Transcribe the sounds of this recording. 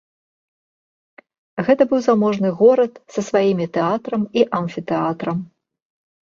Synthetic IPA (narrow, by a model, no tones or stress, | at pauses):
ɣɛt̪ɐbɨwzamɔʐnɨɣɔɾɐt̪sɐsvajimʲit̪ɛat̪ɾɐmiʔanfʲit̪ɛat̪ɾɐm